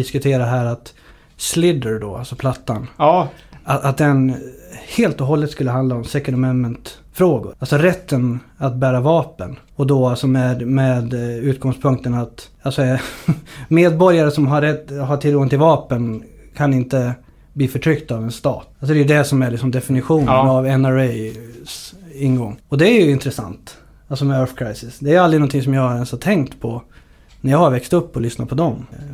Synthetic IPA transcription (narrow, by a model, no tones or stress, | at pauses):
ɪskɵt̪ʰeːɾaɦæːɾat̪ | slɪd̪əɖɔa̰lsɔpʰlat̪ːan | aat̪̚d̪ɛnheːlt̪ɔɦɔlːət̪skɵlːəɦand̪laɔmsɛkəɾɔmɛnmɛnt̪ | fɾoːɡʊ̰ɾalsɔɾɛt̪ʰːən | at̪̚bæːɾavɑːpən | ɔd̪ɔalsɔmɛd̪mɛd̪ʉ̟ːt̪̚ɡɔŋspʰɵŋk̚t̪ənat̪ | alsɔ | meːd̪̚bɔɾjaɾəsɔmɦaːɛt̪ːɦaʈʰɪlɡɔŋt̪ʰɪlvɑːpən | kʰanɪnt̪ə | bliːfœʈʰɾʏkt̪avɛnst̪ɑ̰ːt̪alsɔd̪ɛjɵd̪ɛsɔmæɭɪksɔmd̪ɛfɪnɪɧuːnavɛnæɾɛsɪnːɡɔŋːɔd̪ɛæɾjɵɪnt̪ɾɛsa̰nt̪ | alsɔmɛœɾfkʰɾajsɪsd̪ɛæɾjald̪ɾɪnɔnt̪ʰɪŋsɔmjɑːɡɛnshaʈ̪ʰɛŋkt̪pʰɔ | næɾjɑːhaɾvɛkst̪ɵpːɔlʏsna̰pʰɔd̪ɔm